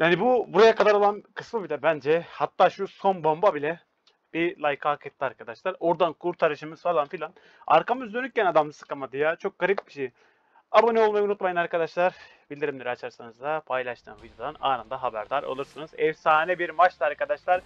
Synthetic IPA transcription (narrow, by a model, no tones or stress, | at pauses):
jaːnibubuɾajakad̪aɾo̞lˠankʰɯsmɯbilʲɛbænd͡ʒɛhat̪ːaːʃuso̞nbombabilʲɛ | b̥ilˠajkʰaːkʰɛt̪lʲiaɾkʰad̪aʃlˠaɾo̞ɾd̪ankʰuɾt̪ʰaɾɯʃɯmɯzfalˠanfilʲan | a̰ɾkamɯzd̪ønyc̚ʲcːænad̪amɯsɯ̥kamad̪ijat͡ʃʰo̞k̚ɡ̥aɾip̪̚bi̥ʃeji | abonɛo̞lˠmajunut̪majanaɾkad̪aʃlˠaɾ | bilʲd̪iɾimd̪iɾɛat͡ʃʰaɾsanɯzd̪apʰajlˠaʃt̪ʰɯ̰ːmvid̪jod̪ana̰ːnand̪aɦabæɾd̪aɾa̰lˠuɾsɯnɯzɛvsaːnɛbiɾmat͡ʃlˠɯaɾkad̪aʃlˠaɾ